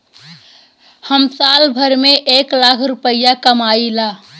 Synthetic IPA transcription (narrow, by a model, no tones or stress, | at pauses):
həmsalbʱəɾmeʔeklakʰɾupəijakəmaila